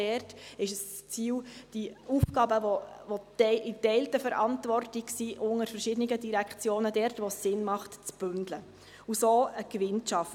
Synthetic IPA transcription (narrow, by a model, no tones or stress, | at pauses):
ɛrtɪʃəs | t͡siːwd̥iuːfɡ̥ɑːbəʋoʋoɪtɛɪltəfəɾʔɑ̰ntvɔrtiksiʔʊŋəɾfəɾʃɪdəniɡədiɾækt͡sjoːnədɛrtʋɔsːɪnmɑχtt͡sb̥ʏndlə | usoːəkʋɪntʃɑf